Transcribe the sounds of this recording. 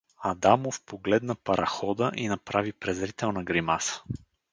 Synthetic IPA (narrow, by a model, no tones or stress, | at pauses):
ɐd̪amofpoɡlɛd̪nəpɐɾʔɐxɔd̪əʔinɐpɾavipɾɛzɾit̪ɛlˠnəɡɾimasə̥